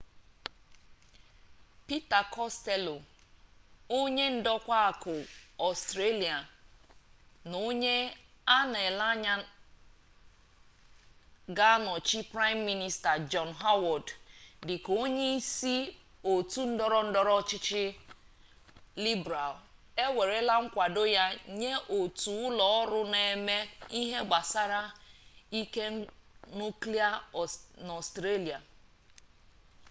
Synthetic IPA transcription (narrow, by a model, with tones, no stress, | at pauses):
pi˦ta˨kɔ˦ste˦lo˨ | o˦ɲe˦n̩˦dɔ˦kʷa˦a˨kʊ˨ɔ˨stɾe˦li˨a˨ | no˦ɲe˦ | a˦na˨e˨la˦ɲa˦ | ɡa˦a˦nɔ˨t͡ʃi˦pɾa˦jmː˦i˦ni˦sta˨d͡ʒɔ˨nɦa˦wɔ˨ddɪ˨ko˦ɲe˦i˦si˦ | o˨tu˦n̩˦dɔ˦ɾɔ˦n̩˦dɔ˦ɾɔ˦t͡ʃɪ˦t͡ʃɪ˦ | li˦bɾa˨l | e˦we˨ɾe˦la˦ŋ̩˦kʷa˨do˦ja˦ɲe˦ʔo˨tu˨ʊ˦lɔ˨ɔ˦ɾʊ˦ne˨me˦i˦ɦe˦ɡ͡ba˨sa˦ɾa˦i˦ke˦nu˦kli˦a˦n˨ɔ˨stɾe˦li˨a˨